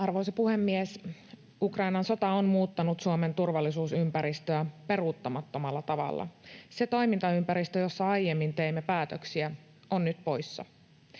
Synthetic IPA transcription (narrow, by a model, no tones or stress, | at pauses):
ɑrʋo̞jsepuhe̞mːies | ukrɑinɑnso̞t̪ɑonmuːt̪ːɑnut̪suome̞nt̪urʋɑlːisuːsympæɾist̪øæpe̞ruˑt̪ːɑmɑt̪ːo̞mɑlːɑt̪ɑʋɑ̰lːɑ̰se̞t̪o̞imint̪ɑympæɾist̪øjo̞sːɑɑjemːint̪e̞imːepæːt̪øksiæ | onːyt̪po̞jsːɑ̰